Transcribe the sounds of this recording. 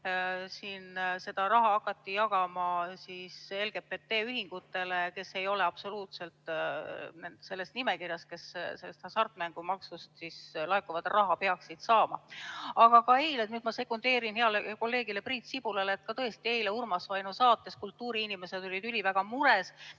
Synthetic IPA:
siːnse̞d̪̥ɑɾɑɦɑɑkːˑɑt̪ːijɑɡ̥ɑmɑsiːselɡ̥e̞pet̪ːe̞ːyɦiŋɡ̥ut̪ːe̞leke̞se̞jo̞le̞ɑb̥so̞luːt̪se̞lt̪ˑ | nend̪se̞lːe̞st̪nime̞kirjɑst̪̚ke̞sselːst̪ʰɑsɑrt̪ːˑmæŋɡ̥umɑksust̪sislɑekːˑuvɑd̪̥rʔɑɦɑpe̞ɑksid̪̥sɑːmɑɑɡ̥ɑkɑe̞jled̪nyːd̪mɑse̞kːund̪e̞ːɾinheɑleko̞lːe̞ːɡ̥ile̞print̪sib̥ulɑleːt̪̚kɑt̪ɤe̞st̪ie̞jleurmɑsvɑjnusɑːt̪ˑːe̞skult̪ːuːɾiinime̞sed̪o̞lʲid̪ylʲivæɡ̥ɑmuɾe̞s

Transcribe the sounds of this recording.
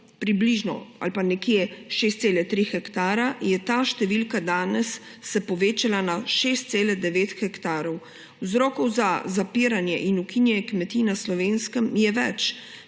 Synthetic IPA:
pɾibliʒnɔ̰a̰lpanɛkjeʃeːst̪seːlɛt̪ɾixɛkt̪aːɾajɛt̪aːʃt̪ɛʋilkad̪aːnɛsː | ɛpɔʋeːt͡ʃalanaʃeːst̪̚seːlɛd̪ɛʋeːt̪xɛkt̪aːɾɔw | wzɾɔːkɔwzazapiːɾanjɛʔinukinjɛkmɛt̪iːnaslɔʋeːnskəmjɛʋɛt͡ʃ

